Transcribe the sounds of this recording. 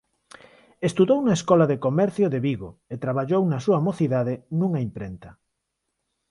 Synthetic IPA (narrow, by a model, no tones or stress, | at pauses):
est̪uðownɐeskɔlaðekomɛɾθjoðeβiɣoet̪ɾaβ̞aʎownɐsuamoθiðaðɪnuŋaimpɾent̪ɐ